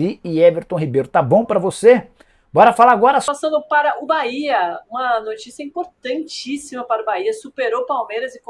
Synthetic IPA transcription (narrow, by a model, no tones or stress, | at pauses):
iɪɛveɾt̪õɦibejɾʊt̪abõpɾɐvose | bɔɾɐfalaːɡɔɾɐsasɐ̃nd̪ʊpaɾɐʔʊbaiɐũmɐnot͡ʃisiɐĩpoɾt̪ɐ̃nt͡ʃisimɐpaɾɐʊbaiɐsupeɾowpawmejɾɐzɪk